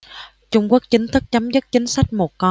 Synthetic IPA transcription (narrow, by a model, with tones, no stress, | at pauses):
t͡ɕʊ˧ŋ͡mku˦˥ək̚t͡ɕï˨˦ŋ̟t̪ʰɨ˦˥k̚t͡ɕa˨˦mzɨ˦˥k̚t͡ɕï˨˦ŋ̟sa˦˥jk̟̚mo˨˩t̚kɔ˨˧